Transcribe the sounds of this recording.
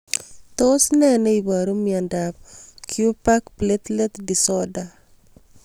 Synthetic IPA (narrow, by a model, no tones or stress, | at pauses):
t̪osnɛnɛibaɾomiandap̚kʰjupakplet̪lɛt̪disɔda